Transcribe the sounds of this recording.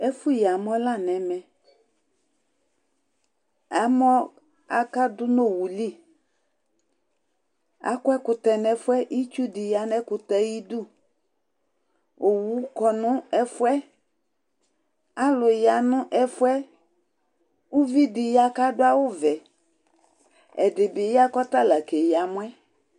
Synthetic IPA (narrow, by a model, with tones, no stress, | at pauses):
ɛ˦fʊ˦ja˨mɔ̃˦la˦˨nɛ̃˨mɛ˨ | a˨mɔ˦ | a˨ka˦dʊ˦no˦˨wu˨li˦˨ | a̰˨˦kʊ˦ɛ˦kʊ˨t̪ɛ˨nɛ˨fʊ˦ɛ˦ʔi˦t͡ʃu˦dɪ˨ja˨nɛ˦kʊ˨t̪ɛ˨ji˦dʊ˦ | o˨wu˨˦kɔ˨nʊ̃˦ɛ˦fʊ˦ɛ˦ | a˦lʊ˨ja˨nʊ̃˦ʔɛ˦fʊ˦ɛ˦ | u˦vi˦dɪ˨ja˨ka˦dʊ˦a˦wʊ˦vɛ˨ | ɛ˨dɪ˨bɪ˨ja˦kɔ˦t̪a˦la˨ke˨ja˨m˦ɛ˦